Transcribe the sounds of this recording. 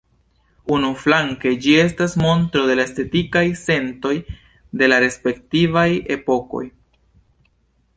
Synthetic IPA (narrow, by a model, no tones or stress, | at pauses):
unuflaŋke̞d͡ʒie̞s̬tasmo̞ntɾo̞de̞laeste̞tikajse̞nto̞j | de̞laɾe̞spe̞ktivaje̞po̞ko̞̰j